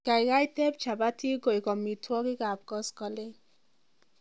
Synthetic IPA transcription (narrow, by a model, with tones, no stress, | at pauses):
ka˨jka˦jtɛ˦p̚t͡ʃa˨ba˦tʰi˦ɡo˨jkɔ˨mi˨tʰwɔ˦ki˦ka˨p̚kɔ˦skɔ˨le˦